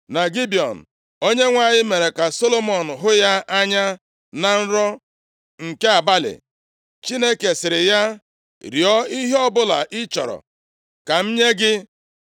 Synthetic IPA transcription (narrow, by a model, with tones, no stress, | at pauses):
na˨ɡi˦bi˨ɔ̰˨n̩˨ | o˦ɲe˦ŋʷa˦˨ɲɪ˦me˨ɾe˨ka˨so˦lo˦mɔ˨n̩˨ɦʊ˦ja˦ʔa˦ɲa˦ | na˨n̩˦ɾɔ˦ | ŋ̩˨ke˦a˨ba˦lɪ̰˨ | t͡ʃi˦ne˦ke˨sɪ˨ɾɪ˨ja˦ | ɾjɔ˦i˦ɦe˦ɔ˦bʊ˦la̰˨ʔɪ˦t͡ʃɔ˨ɾɔ̰˨ | ka˨m̩˦ɲe˦ɡɪ˦